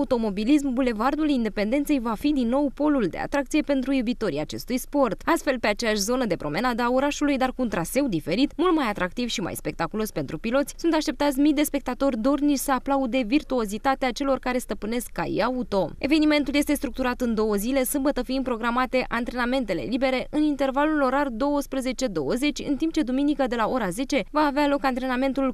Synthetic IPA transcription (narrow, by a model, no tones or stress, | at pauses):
ut̪o̞mo̞bilismbule̞vard̪ulind̪e̞pend̪et̪se̞jvafid̪inːo̞wpo̞luld̪ea̰t̪ɾak̚t̪sije̞pe̞nt̪ɾujubit̪o̞ɾḭat͡ʃe̞st̪ujspo̞rt̪ast̪fe̞lpe̞at͡ʃejaʃʲzo̞nəd̪e̞pɾo̞̰me̞nad̪əaoɾaʃulujd̪arkuːnt̪ɾase̞wd̪ife̞ɾit̪mult̪majat̪ɾakt̪ivʃima̰jspe̞k̚t̪akulo̞spe̞nt̪ɾupilo̞t̪sʲsunt̪aʃt̪ep̚t̪at̪sʲmid̪e̞spe̞k̚t̪at̪o̞rʲd̪o̞rniʃʲsəaplaud̪e̞virt̪uo̞zit̪at̪eat͡ʃe̞lo̞rkaɾe̞st̪əpɨne̞skːa̰j̰aut̪o̞e̞ve̞nime̞nt̪uljest̪e̞st̪ɾukt̪uɾat̪ɨnd̪o̞wəzile̞sɨmbət̪əfiimpɾo̞ɡɾamat̪e̞ʔant̪ɾe̞name̞nt̪e̞le̞̰libe̞ɾe̞ʔʔɨnint̪ervalulo̞ɾald̪o̞wəspɾuze̞t͡ʃe̞d̪o̞̰wəze̞t͡ʃʲɨ̰nt̪imp̚t͡ʃe̞d̪uminikəd̪e̞lao̞ɾaze̞t͡ʃe̞vaːvealo̞kant̪ɾe̞name̞nt̪ul